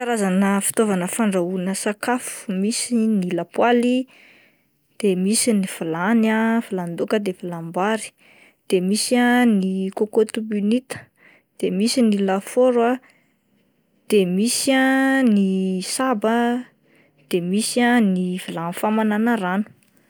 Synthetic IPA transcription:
kaɾazanəfi̥t̪ovanəfaɳɖ͡ʐaunəsakafu̥misinilapwali | d̪̥emisiniv̥ulanavuland̪ukəd̪evilambaɾi̥ | d̪̥emisianikokot̪ubynit̪ə̥ | d̪̥emisinilafoɾwa | d̪̥emisianisabə | d̪̥emisanivulanfamananaɾanu̥

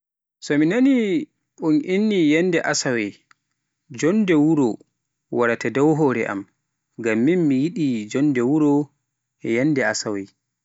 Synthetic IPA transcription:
sɔminani | ɓunʔinːijɛndɛʔasawɛj | d͡ʒɔndɛwuɾɔ | waɾatadɔwɦɔːɾɛʔa̰m | ɡamːinmijiɗid͡ʒɔndɛwuɾɔ | jɛnːdɛasawɛj

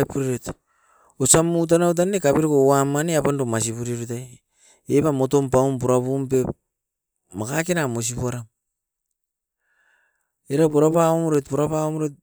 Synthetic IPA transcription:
puɾeɾet | osamut̬anawt̬anekapeɾkowamːaneapandomas̬iβuɾiɾut̬aj | epamo̞to̞mpawmpuɾaβumpe̞p̚ | makakenamos̬ipuaɾam | eɾapoɾapaomoɾetpoɾapaomoɾet̚

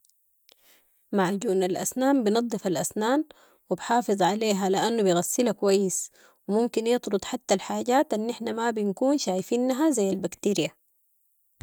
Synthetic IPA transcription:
maʕɟuːʔnalʔa̰snaːmbɪnɑd̪ˤːɨfalʔasnaːn | wibħɑːfɨzˤʕaleːɦalɪʔanːubijɣasːilakwajːɪs | wɪmumkinjɨt̪ˤɾʊt̪ˤħat̪ːalħaːɟaːt̪ʔanːʔɪħnamabinkuːnʃaːjfiːnːɦazajːalbakt̪iːɾija

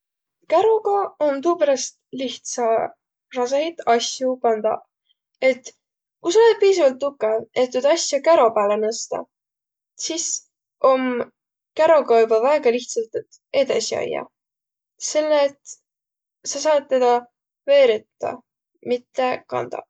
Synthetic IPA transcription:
kæɾo̞ɡɑont̪uːpæɾɑst̪liht̪sɑ | rɑsejt̪ɑsjupɑnd̪̥ɑ̰ | e̞t̪ | kusɑolet̪̚piːsɑvɑlt̪ːukːˑee̞t̪ːyd̪ɑsʲjɑkæɾo̞pæːlenɤst̪ɑ̰ | sis | ʔo̞m | kæɾo̞kɑjbɑvæeɡ̥ɑliht̪sɑlt̪t̪ | e̞d̪̥ɑsiɑ̰jːɑ̰ | se̞lːet̪ | sɑsɑːt̪̚ːe̞d̪̥ɑ | ve̞ːɾit̪ːɑ̰ | mit̪ːekɑ̰nd̪̥ɑ̰

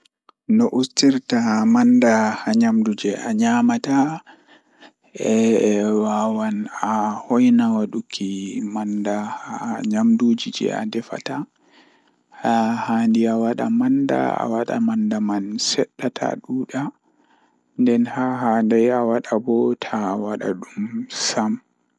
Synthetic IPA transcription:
nɔʔustiɾtamandahaɲamdud͡ʒɛʔaɲamata | ʔɛwawanahɔjnawaɗukʰimandahaɲamdud͡ʒid͡ʒɛ̰a̰dɛfa̰ta | hahandiawaɗa̰manda̰a̰waɗa̰mandamansɛɗːatʰa̰ɗuːɗa | ndɛnhahandajawaɗabɔtʰawaɗa̰ɗumsam

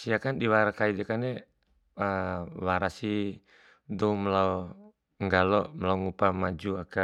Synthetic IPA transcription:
siakandiwaɾakaidɛkanɛ | awaɾasi | dɔumlaɔ | ŋɡalɔmlaɔŋupamad͡ʒuaka

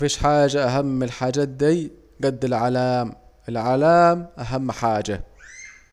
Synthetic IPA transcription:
fiːʃħaːʒaʔaɦamːɪlħaːd͡ʒaːt̪̚d̪iː | ɡad̪ːɪlʕalaːmʔɪlʕalaːmʔaɦamːħaːd͡ʒa

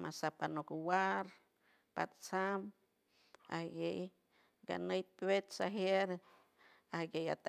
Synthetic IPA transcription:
masapanukuwaɾ | pa̰t̪t͡sam | a̰hɡej | ɡa̰nəjpwet̪saɦeɾ | ahɡeja̰t̪a

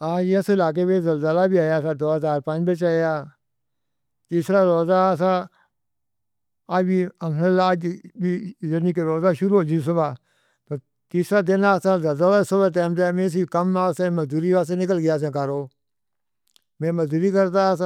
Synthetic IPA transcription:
aːd͡ʒəsɪlaːk̬eːʋẽːzəlzəlaːbiːaːjaːsaːd̪oːɦəzaːɾpə̃d͡ʒbət͡ʃaːjaː | t̪iːsɾaːɾoːzaːsaː | aːd͡ʒbiːəməlaːd͡ʒbiːzəniːkeɾoːzaːʃʊɾuːoːd͡ʒis̬əbaː | t̪oː | t̪iːsɾaːd̪ɪnaːsaːzəlzəlaːsəbaːʈ̪ɛːmt̪emẽs̬ikəmːaːsẽːməzd̪uːɾiːʋaːseːnɪk̬əlɡɪjaːs̬ẽːkaɾoː | mẽːməzd̪uːɾiːkəɾt̪as

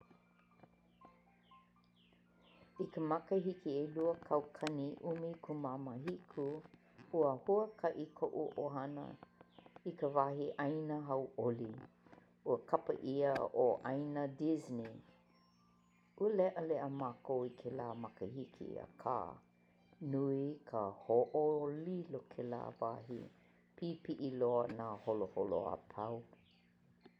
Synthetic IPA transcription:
ikəmɐkəɦikieluəkʰɐwkʰɐniʔumikʰumamaɦikʰu | uəhuəkʰɐʔikʰoʔuʔoɦɐnə̰ | ikəvahiʔɐjnəɦɐwʔoli | uəkʰɐpə̰ʔiəoʔɐjnədizni | ʔuəlɛʔəleʔəmaːkowikʰelaːmɐkəhikʰḭə̰kʰa̰ː | nuikʰəhoʔolilokʰela̰ːvaɦḭ | pʰipiʔiloənaːholoholo̰a̰pʰɐw

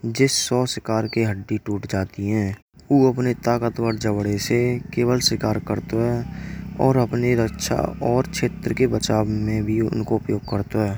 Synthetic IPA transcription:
d͡ʒɪsːɔːsɪkaːɾkeɦəɖːiʈuːʈd͡ʒaːt̪iɦɛ̃ː | uːəpnet̪aːkət̪wəɾd͡ʒəbɽesekeːwəlsɪkaːɾkəɾt̪oɦɛːɔːɾəpniɾəkʃʰa̰ɔːɾt͡ʃʰeːt̪ɾəkebət͡ʃaːmẽbʱiʊ̰nkoʊpjoːɡ̚kəɾt̪oɦɛː

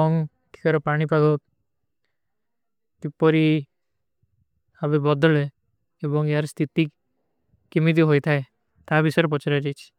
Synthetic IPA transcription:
ɔŋ | ʈʰi̥kɔɾɔpaɽ̃ipaɡɔk̚ | t̪ipɔɾi | abebɔd̪ɔle | ebɔŋjaɾst̪ʰit̪ikː | imit̪̬iɦojt̪ʰae | t̪abisɔjɾepɔt͡ʃaɾad͡ʒajt͡ʃʰi̥

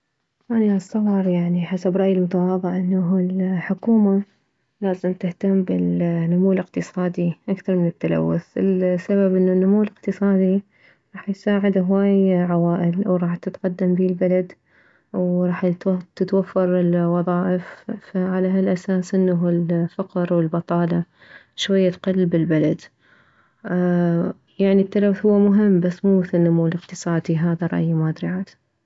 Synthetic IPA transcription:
aniʔɑsˤːɑwɑɾˤjaʕniħasabɾˤɑʔjɪlmʊt̪awɑːðˤɨʕʔɪnːaɦlħʊkuːma | laːzɪmt̪ɪht̪amːbɪlnʊmuːlɪqt̪ɨsˤɑːd̪iʔakθɑɾˤmɪnɪt̪ːala̰wːʊθɪsːaβabʔɪnːanːʊmuːlɪqt̪ɨsˤɑːd̪i | ɾˤɑːħjsaːʕɪd̪ɦwaːjʕawaːʔɪlwɾˤɑːħt̪ɪt̪qad̪ːambiːlbalad̪ | wɾˤɑːħt̪ɪt̪wafːɑɾˤɪlwɑðˤɑːʔɪffaʕalaɦalʔasaːsʔɪnːaɦɪlfaqɾwɪlbɑt̪ˤɑːlɑ | ʃwajːat̪qɑlːbɪlbalad̪ | jaʕnit̪ːalawθhʊwːamʊɦɪmːbasːmuːmɪθɪlnːʊmuːlɪqt̪ɨsˤɑːd̪iɦaːðaɾˤɑ̰ʔjmaːd̪ɾiʕaːt̪

